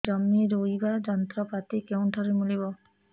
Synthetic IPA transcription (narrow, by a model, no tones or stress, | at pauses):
d͡ʒɔmːiɾoibad͡ʒɔnt̪ɾɔpat̪ikew̃ʈʰɔɾimulibɔ